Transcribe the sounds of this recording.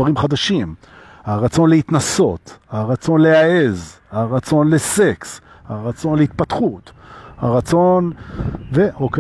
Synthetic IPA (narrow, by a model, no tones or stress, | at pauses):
aʁimχad̪aʃim | haʁat͡so̞nlehit̪naso̞t̪haʁat͡so̞nle̞ae̞z | haʁat͡so̞nlese̞ks | haʁat͡so̞nleit̪̚pat̪χut̪ha̰ʁat͡so̞nveʔoke